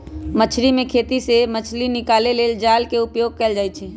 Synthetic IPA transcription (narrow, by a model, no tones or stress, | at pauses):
mət͡ʃʰɾimẽkʰeːt̪isemət͡ʃʰlinɪkaːleleːld͡ʒaːlkeʊpjoːɡ̚kɛld͡ʒaːjt͡ʃʰɛː